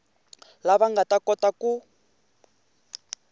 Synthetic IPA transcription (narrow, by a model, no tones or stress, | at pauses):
laβaŋɡatʼakɔtaku